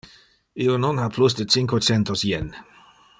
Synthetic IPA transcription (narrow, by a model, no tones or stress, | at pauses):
ionɔnhapʰlus̬d̪ət͡siŋkot͡sɛnt̪osjɛn